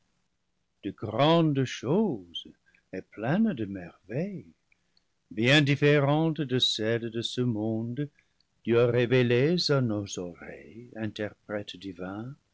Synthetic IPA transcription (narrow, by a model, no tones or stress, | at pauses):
d̪̥əɡʁɑ̃d̪ʃoz̥ | ɛpʰlɛ̃nd̪əmɛʁvɛj | bjɛ̃difeʁɑ̃t̪d̪əsɛld̪əsəmɔ̃d̪ | d̪̥yaʁevelezanozɔʁɛ̰jɛ̃nt̪ʰɛʁpʁɛt̪d̪ivɛ̃